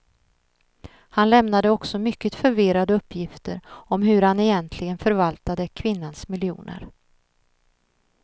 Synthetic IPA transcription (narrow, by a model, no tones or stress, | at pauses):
hanlɛmnad̪əɔksɔmʏkːət̪fœɾvɪɾad̪əɵpːjɪft̪ə̰ɾɔmɦɵ̟ɾhanɛjɛnt̪ʰlɪɡənfœɾvalt̪ad̪əkʰvɪnːansmɪljṵːnə̰ɾ